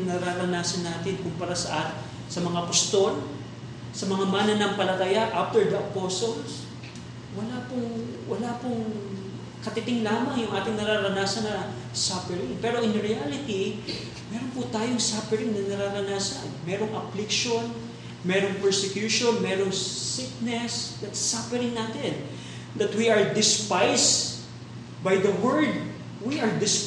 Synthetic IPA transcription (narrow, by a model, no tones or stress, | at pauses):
nɐɾaɾɐnaːsɐnːaːt̪ɪnkʊmpɐɾasɐʔa | sɐmɐŋapɐst̪o̞l | sɐmɐŋamaːnɐnɐŋpɐlɐt̪ɐjaʔaft̪ɛɹd̪ɐʔɐpoːsols | wɐlaːpʊŋwɐlaːpʊŋ | kɐt̪ɪt̪ɪŋlaːmɐŋjʊŋʔaːt̪ɪŋnɐɾaːɾɐnaːsɐnɐ | sapɛɾɪŋpɛːɾo̞ʔɪnɾɪalɪt̪i | mɛːɾonpʊt̪aːjoŋsapɛɾɪŋnɐnɐɾaːɾɐnaːsɐnmɛːɾo̞ŋʔɐflɪkʃon | mɛɾoŋpɛɹsɛkjuːʃonmɛːɾoŋsɪk̚nɛsd̪ɐt̪safɛɾɪŋnaːt̪ɪn | d̪ɐt̪wiɐɹd̪ɪspajs | bajd̪ɐwɛɹd̪̚ | wiʔɐɹd̪ɪs